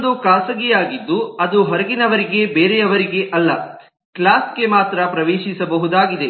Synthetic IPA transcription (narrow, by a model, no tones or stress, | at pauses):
d̪ukaːsɐɡijaːɡid̪ːuɐd̪uɦɔɾɐɡinɐʋɐɾiɡe̞beːɾejɐʋɐɾiɡe̞ʔɐlːɐ | klaːsɡe̞maːt̪ɾɐpɾɐʋeːʃisɐbɐɦud̪aːɡid̪e